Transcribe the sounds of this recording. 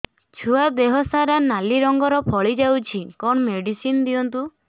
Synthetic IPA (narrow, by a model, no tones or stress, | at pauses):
t͡ʃʰuad̪eɦɔsaɾanaliɾɔŋɡɔɾɔpʰɔɭid͡ʒawt͡ʃʰikɔɳɔmeɽisind̪iɔnt̪u